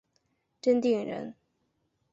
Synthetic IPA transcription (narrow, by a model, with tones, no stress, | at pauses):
ʈ͡ʂə˥nt̪i˥˩ŋɻə̰˧˥n